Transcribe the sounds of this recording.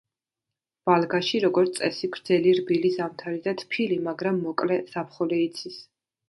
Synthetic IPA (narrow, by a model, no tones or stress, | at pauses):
v̥alˠɡaʃiɾɔɡɔɾt̪sʼɛsiɡɾd̪zɛliɾbilisamt̪ʰaɾid̪at̪ʰpʰilimaɡɾamːɔkʼlɛsap̚ʰχɔlɛit̪sʰis